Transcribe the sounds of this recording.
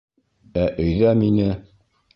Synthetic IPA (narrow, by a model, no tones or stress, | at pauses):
æʔɵ̆jðæminɘ